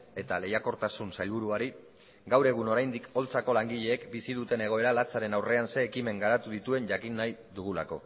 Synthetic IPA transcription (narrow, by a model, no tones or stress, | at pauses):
e̞t̪ale̞jako̞ɾt̪asunsajlβuɾuaɾi | ɡawɾe̞ɣ̞uno̞ɾajnd̪iko̞lt͡sako̞laŋɡiʎe̞ːkbisiðut̪e̞ne̞ɣ̞o̞e̞ɾalat͡saɾe̞nawre̞anse̞ːkime̞ŋɡaɾat̪uðit̪ue̞nʝakinːajðuɣ̞ula̰ko̞